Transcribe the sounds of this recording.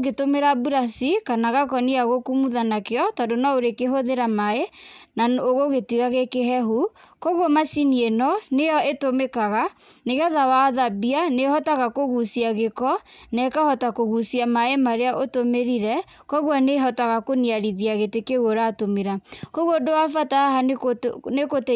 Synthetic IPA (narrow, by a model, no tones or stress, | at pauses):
ɡetomeɾabuɾasikanaɣakɔniaɣokumuðanakeɔtadonaoɾekeɦoðeɾamaenaoɣoɣetiɣaɣekeɦɛɦukɔɣɔmasinienɔnejɔetomekaɣa | neɣɛðawaðabianehɔtaɣakoɣusiaɣekɔ | nɛkahɔtakoɣusiamaemaɾeaʔotomeɾiɾɛ | kɔɣwɔneɦɔtaɣakoniaɾiðiaɣetekeɣoɾatomeɾakoɣodoafataha | nekot